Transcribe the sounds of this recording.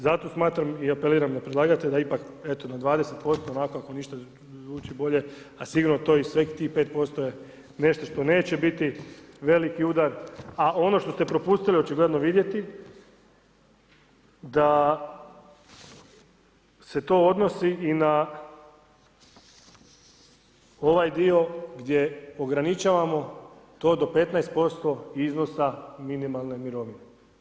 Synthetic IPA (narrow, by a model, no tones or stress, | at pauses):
zat̪o̞smaːt̪ɾamiape̞liːɾamd̪apɾed̪lˠaːɡat̪ed̪aipak | e̞t̪o̞nad̪ʋaːd̪e̞se̞t̪̚po̞st̪oːonakoako̞niʃt̪a | uːt͡ɕibo̞ʎe̞ | asiɡuɾnot̪o̞isʋekt̪iːxpe̞ːt̪̚po̞st̪oje | ne̞ʃt̪o̞ʃt̪o̞ne̞ːt͡ɕe̞bit̪iʋe̞likiud̪aɾao̞no̞ʃt̪o̞st̪e̞pɾo̞puːst̪iliot͡ʃiɡle̞d̪noʋid̪je̞t̪i | d̪a | se̞t̪o̞od̪no̞siʔina | o̞ʋajd̪io̞ɡd̪je̞oɡɾanit͡ʃaːʋamo̞t̪o̞ːd̪ope̞t̪najst̪̚po̞st̪o̞iznosaminimalˠne̞miɾo̞ʋine